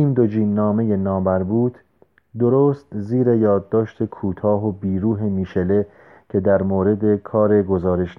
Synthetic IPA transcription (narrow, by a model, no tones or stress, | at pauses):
iːmd̪od͡ʒiːnːɒːme̞je̞nɒːbæɾbuːt̪ʰ | d̪o̞ɾoːst̪ziːɾe̞jɒːd̪ːɒːʃt̪ʰe̞kʰuːt̪ʰɒːɦobiːɾuːɦe̞miːʃe̞le̞ | cʰe̞d̪æɾmoːɾe̞d̪e̞kʰɒːɾe̞ɡo̞zɒːɾe̞ʃ